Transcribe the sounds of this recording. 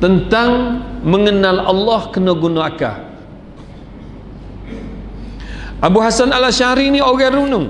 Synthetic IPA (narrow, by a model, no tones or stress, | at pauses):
t̪ənt̪aŋməŋənalɑ̰lːɔhkənoɡunoaka̰ | ʔabuɦasanalaʃaɾinioɣɛɾunʊŋ